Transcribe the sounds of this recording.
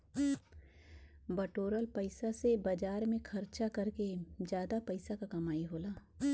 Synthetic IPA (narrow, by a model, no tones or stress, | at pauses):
bɐʈoːɾəlpɐɪsasebɐd͡ʒaːɾmẽxʰɐɾt͡ʃakɐɾked͡ʒjaːd̪apɐɪsakakɐmaːiɦoːlaː